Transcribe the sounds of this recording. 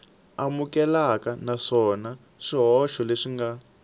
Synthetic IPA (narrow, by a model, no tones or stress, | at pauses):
amukɛlakanaʂɔna | ʂiɦɔʃɔleʂiŋɡa